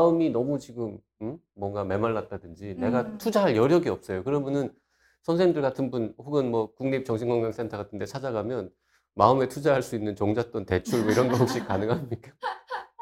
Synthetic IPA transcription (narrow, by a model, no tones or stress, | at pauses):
maɯminʌmut͡ɕiɡɯmː | wʌŋɡame̞maɭːat̚t͈adɯnd͡ʑine̞ɡatʰud͡ʑaɦaɭjʌɾjʌɡiʌp̚s͈ʌjokɯɾʌmjʌnɯn | sʰʌnsʰeimndɯɭɡatʰɯnbunhoɡɯnmwʌkuŋɲip̚t͡ɕʌŋɕʰiŋɡwʌŋɡaŋs͈ʰe̞ntʰʌɡatʰɯnde̞t͡ɕʰad͡ʑaɡamjʌn | maɯme̞tʰud͡ʑaɦaɭs͈uinːɯnt͡ɕoŋd͡ʑat͈ʌnte̞t͡ɕʰuɭmoiɾʌnɡʌɦok̚ɕ͈ik͈anɯŋɦamɲik͈ḁ